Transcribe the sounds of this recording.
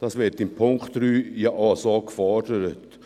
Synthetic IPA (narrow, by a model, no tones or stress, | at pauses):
d̥ɑːsʋɪtɪmpʰʊŋktɾyːjəʔɑsoːkfɔɾdəɾət